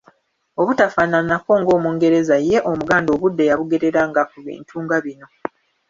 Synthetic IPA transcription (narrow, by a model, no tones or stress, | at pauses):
oβutafananako̞ŋɡo̞ːmuːŋɡe̞ɾe̞zaje̞ʔo̞muɡaːndo̞βudːejaβuɡe̞ɾe̞ɾaŋɡakuβḭːntʰuːŋɡaβino̞